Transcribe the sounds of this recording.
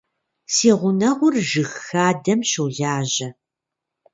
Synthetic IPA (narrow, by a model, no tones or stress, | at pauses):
siːʁʷʊnɐʁʷʊrʒɨxxaːdɐmɕuːɮaːʑɐ